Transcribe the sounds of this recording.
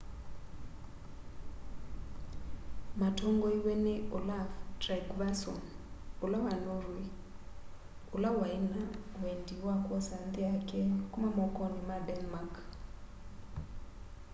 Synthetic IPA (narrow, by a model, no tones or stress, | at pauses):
matʰɔŋɡɔiwɛnɛʔɔlavdrɛɡvasɔnulawanɔɾwi | ulawainawendiwakʼwɔsant̪ɛakʰʼɛkʼumamɔkʼɔnimadɛnmakʰ